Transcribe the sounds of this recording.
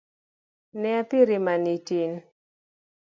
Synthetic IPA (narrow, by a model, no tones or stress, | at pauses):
nɛapiɾimanitin